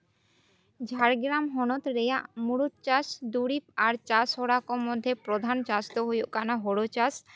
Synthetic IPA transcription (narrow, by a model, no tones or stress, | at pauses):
d͡ʒʱaɾɡɾamɦɔnɔt̪ɾejaʔmuɽut̪̚t͡ʃasd̪uɽip̚aɾt͡ʃasɔɽakomod̪ʱːepɾod̪ʱand͡ʒast̪oɦojoʔkanaɦoɽot͡ʃas